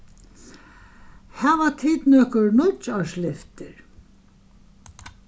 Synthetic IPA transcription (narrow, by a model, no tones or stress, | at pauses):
hɛʋat̪ʰiːt̪nɔːkʊɾnʊt͡ʃaʃlɪft̪ɪɾ